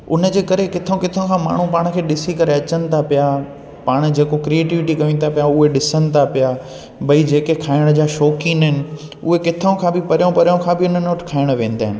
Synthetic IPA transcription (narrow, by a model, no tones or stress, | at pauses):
ʊ̰nəd͡ʑeːkɐɾekɪt̪ʰõkɪt̪ʰõkʰãma̰ːɳ̤ũpaːɽ̃̆kʰeːɗɪsikɐɾeɐt͡ɕənɪ̆t̪ʰapija | paːɽ̃̆d͡ʑeːkokɾieːʈɪʋɪʈikɐʋĩn̆t̪ʰapijaʊɦeɗɪsənɪ̆t̪ʰapija | bɐid͡ʑeːkekʰaːɪɽ̃d͡ʑaːʃɔːkĩnɦɪnɪ̆ | ʊɦekɪt̪ʰəõkʰãːbɪpɐɾijõpɐɾijõkʰãbʱɪʊnənoːʈkʰaːɪɽ̃ʋẽːn̆d̪aːɦɪnɪ̆